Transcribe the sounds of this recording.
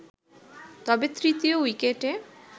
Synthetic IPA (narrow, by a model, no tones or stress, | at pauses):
t̪ɔbet̪ɾit̪iowikeʈe